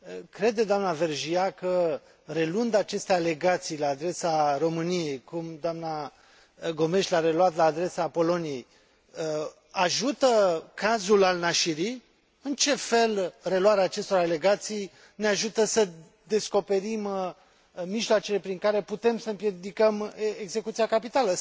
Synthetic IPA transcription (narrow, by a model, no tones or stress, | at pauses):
kɾe̞d̪ed̪oamnave̞rʒiakə | re̞lund̪at͡ʃe̞st̪eale̞ɡat̪sijlaːd̪ɾe̞saro̞mɨnije̞jkumd̪oamna | ɡo̞me̞ʃt̪ʲlaɾe̞lwat̪laːd̪ɾe̞sapo̞lo̞nije̞j | aʒut̪əkazulalnaʃiɾi | ɨnt͡ʃe̞fe̞lre̞lwaɾeaːt͡ʃe̞st̪o̞ɾale̞ɡat̪sij | neaʒut̪əsə | d̪e̞sko̞pe̞ɾim | miʒloat͡ʃele̞pɾiŋkaɾe̞put̪e̞msəɨmpjed̪ikəmeɡze̞kut̪siakapit̪alə